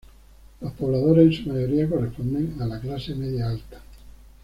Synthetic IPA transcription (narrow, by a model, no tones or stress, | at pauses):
lospoβlaðoɾesensumaʝoɾiako̞respond̪eŋalaklasemeðjaalt̪ḁ